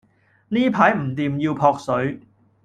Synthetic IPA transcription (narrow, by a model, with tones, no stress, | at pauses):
niː˥pʰaː˨˥jm̩˨˩t̪iː˨˧mjiː˧wpʰɔː˧k̚sɵ˨˥ɥ